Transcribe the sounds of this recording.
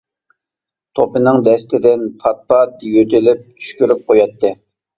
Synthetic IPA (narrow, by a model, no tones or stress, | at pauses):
t̪ʰopɨnɨŋd̪ɛst̪ɪd̪ɪnpʰɑt̪̚pɑt̪jøt̪ʰɪlɪp̚t͡ʃ̪ʰy̥ʃkʲyɾyp̚qʰojɑt̪ʰːɨ